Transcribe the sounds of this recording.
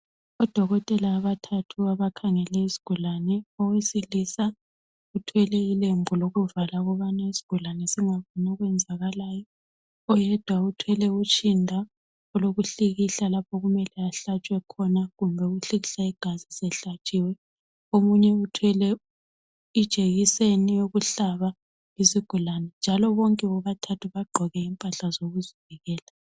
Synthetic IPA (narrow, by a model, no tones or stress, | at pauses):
ɔd̥ʱɔɣɔtʼɛlaːβatʰatʰuaβakʰaŋɛlɛizi̥ɡ̥ʱulanɛɔwesilisa | utʰwɛlɛilembʱuloɣuvalaɣɔβanaizi̥ɡ̥ʱulanɛsiŋaβɔnɔɣwɛnd͡zʱaɣalajɔ | ɔjɛd̥ʱwautʰwɛlɛut͡ʃʼindʱa | ɔloɣuɬiɣiɬalapʰɔɣumɛlɛaɬat͡ʃʼwɛkʰɔnaɣumbʱɛuɣuɬiɣiɬaiɡ̥ʱazisɛɬat͡ʃʼiwɛ | omuɲɛutʰwɛlɛ | id̥ʒ̥ʱeɣisenijoɣuɬaβa | isiɡ̥ʱulanɛnd͡ʒʱalɔβɔŋkʼɛɔɣatʰatʰuβaɡ͡ǃʱɔɣɛimpʼaɬazoɣuzivɛɣɛːla